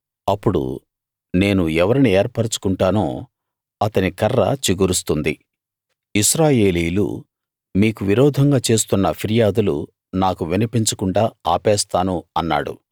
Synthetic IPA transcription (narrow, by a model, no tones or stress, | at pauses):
ɐpːuɽṵ | ne̞ːnuɛʋɐɾinieːɾpɐɾt͡ʃu̥kuɳʈaːno̰ː | ɐt̪ɐnikɐrːɐ̰t͡ʃiɡuɾust̪und̪ḭ | iʃɾaːje̞ːliːjulṵ | miːkuʋiɾɔːd̪ʱɐŋɡaːt͡ʃe̞ːst̪unːɐpʰiɾijaːd̪ulṵ | naːkuʋinipiɲt͡ʃɐkuɳɖaːaːpɛːst̪aːnuɐnːa̰ːɽṵ